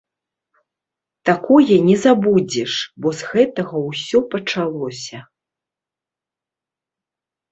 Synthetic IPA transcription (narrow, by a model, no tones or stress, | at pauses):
t̪akɔjɛnʲɛzabud͡zʲɛʂbɔzɣɛt̪ɐɣɐwsʲɔpɐt͡ʂalˠɔsʲɐ